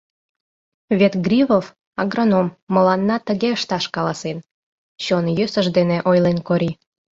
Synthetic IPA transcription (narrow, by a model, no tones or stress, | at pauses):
βʲet̪ɡrʲiβof | ɑɡronomːəlɑnːɑt̪əɣeəʃt̪ɑʃkɑlɑsen | ɕonjøsəʃd̪eneʔojlenkoɾʲi